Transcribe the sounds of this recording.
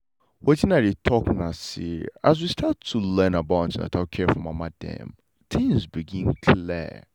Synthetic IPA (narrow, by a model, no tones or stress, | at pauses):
wɔd͡ʒinaɾitʰɔknasḭaz̬wistʰatʰːulɛ̃nabãtina̰tʰakʰɛfɔ̃mamadɛ̰̃m | t̪ʰĩŋzbiɡĩnkʰli